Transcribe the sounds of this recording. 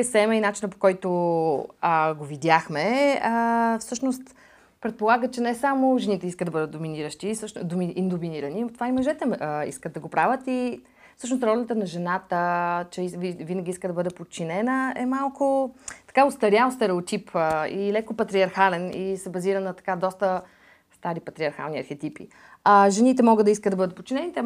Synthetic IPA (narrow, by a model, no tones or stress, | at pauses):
sɛməinat͡ʃinəpo̥kɔjt̪o | əɡovid̪jaxmɛ | fsɤʃnost̪ | pɾɛt̪̚polˠaɡət͡ʃɛnɛsamoʒɛnit̪ɛiskəd̪d̪ɐbɤd̪ət̪d̪ominiɾəʃt̪isɤʃnd̪omiind̪ominiɾɐninot̪ovaimɐʒɛt̪ɛḭskəd̪ɐɡopɾavət̪i | fsɤʃ̬nost̪ɾɔlɛnət̪ənɐʒɛnat̪ət͡ʃɛvivinəɡʲiiskəd̪ɐbɤd̪ɛpot̪̚t͡ʃinɛnəɛmalˠkʊt̪ɐ̥kaost̪ɐɾʲjaʊst̪ɛɾɛot̪ipʰəilɛkopɐt̪ɾiɐɾxalɛnisɛbɐziɾənːɐt̪ɐ̥kad̪ɔst̪ə | st̪aɾipɐt̪ɾiɐɾxa̰lˠnʲiɐ̰ɾxɛt̪ipḭ | ɐʒɛnit̪ɛmɔɡəd̪ɐiskətd̪ɐbɤd̪ət̪̚pot̪̚t͡ʃːinɛnit̪ɛ